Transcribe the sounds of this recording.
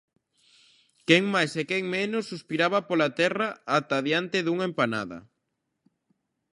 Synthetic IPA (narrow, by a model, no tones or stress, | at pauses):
kɛŋmajsekɛŋmenʊsːuspiɾaβɐpolat̪ɛraat̪aðjant̪eðuŋempana̰ðɐ̰